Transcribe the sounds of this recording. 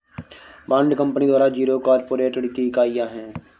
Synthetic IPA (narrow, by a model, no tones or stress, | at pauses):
bãːɳɖkə̃mpnid̪waːɾad͡ʒiːɾokaːɾpoːɾeːʈɽɪt̪ikaːijaɦɛ̃ː